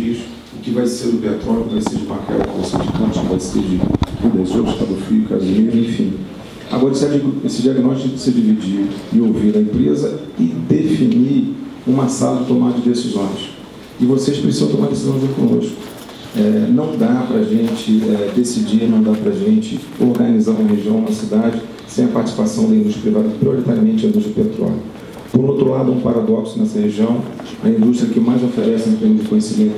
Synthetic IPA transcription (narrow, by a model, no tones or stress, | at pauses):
iʃʊ | ʊkɪvajseɾʊb̪eat̪ɔɾkʊvajseɾd͡ʒumaka̰ɾ̰kɪvosḛd͡ʒɪkɐ̃t͡ʃɪkɪvajsḛd͡ʒɪpud̪ezowʃk̪ab̪ofiʊka̰ziiɾẽj̃fḭ̃ | a̰ɡɔɾɪsɛd͡ʒiɡesɪd͡ʒiaɡnɔʃt͡ʃikʊd͡ʒɪ̥sɪd͡ʒivid͡ʒiɪowviɾɐĩpɾezɐɪd̪efiniũmɐsa̰lt̪omad̪ʊd͡ʒɪd̪esizõj̃s | ɪvoseʃpɾesizɐ̃t̪omad̪esizɐ̃w̃zõj̃kõnoʃkʊ̥ | ɛnɐ̃w̃d̪apɾɐaʒẽnt͡ʃɪɛd̪esid͡ʒinɐ̃w̃d̪apɾɐʒẽnt͡ʃɪ | oɾɡɐnizaũmɐɦeʒiɐ̃w̃ũmɐsid̪ad͡ʒɪ | sẽj̃ɐpaɾt͡ʃisi̥pasɐ̃d̪ɐĩd̪uʃt̪ɾɐpɾivad̪ɐpɾioɾit̪aɾiɐmẽt͡ʃɪɐĩd̪uʃt̪ɾɐpet̪ɾɔ̰lʲjɐ | poɾũowt̪ɾʊlad̪ʊɛũpaɾad̪ɔksʊnɛsɐheʒiɐ̃w̃ | ɐĩnd̪uʃt̪ɾʲiɐkɪmajzofeɾɛsɪẽt̪ẽmʊzd͡ʒɪkõjesimẽnt̪ʊ